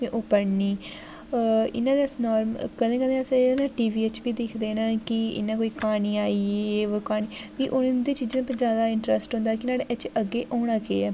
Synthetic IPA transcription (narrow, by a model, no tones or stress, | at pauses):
ẽʔʊpəɾniː | ɪ̰nãːd̪eːəsnɔːɾmkəd̪ẽːkəd̪ẽːəsnãːʈiːʋiːet͡ʃbiːd̪eːkʰd̪eːnaːkɪɪ̰nãːkoːiːkaːniːaːieokaːniːʋiːʔʊnd̪eːt͡ʃiːd͡ʒẽːpəzjaːd̪aːɪɳʈɾəsʈɦõːnd̪aːkɪnaːɽeʔɛt͡ʃəɡːeːʔoːɽ̃ãːkeːɛː